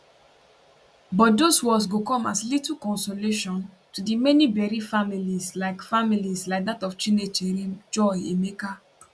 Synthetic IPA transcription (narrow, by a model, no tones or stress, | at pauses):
bɔt̚doswɔs̬ɡokɔ̃maslitukɔ̃nsoleʃɔ̃n | tudimɛnibɛɹifamilislaɪkfamilislaɪk̚datɔft͡ʃinet͡ʃɛɹid͡ʒɔjemeka